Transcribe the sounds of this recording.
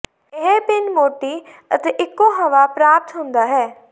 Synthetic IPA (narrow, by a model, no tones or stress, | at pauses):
ɪɦepɪnmoːʈiː | ət̪eːʔɪkːõːɦəʋaːpɾaːp̚t̪ɦʊ̃nd̪aːɦɛː